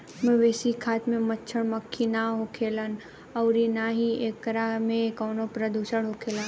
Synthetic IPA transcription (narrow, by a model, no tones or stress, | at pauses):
mẽʋeːsikʰaːt̪mẽmɐtːt͡ʃʰəɽmɐkʰːinaɦokʰeːlən | ɐːɾinaːɦieːkɾamẽkɔːnopɾəd̪uːʃəɽɦokʰeːlan